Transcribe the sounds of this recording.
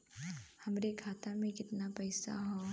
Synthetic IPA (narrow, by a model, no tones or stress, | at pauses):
hɐmɾekʰaːt̪amẽkɪt̪napɛːsa̰ɦoː